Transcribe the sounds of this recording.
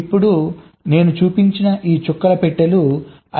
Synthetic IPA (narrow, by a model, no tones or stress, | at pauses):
ipːuɽu | ne̞ːnut͡ʃuːpiɲt͡ʃinɐʔiːt͡ʃukːɐɾɐpɛʈːɐlu | ɐ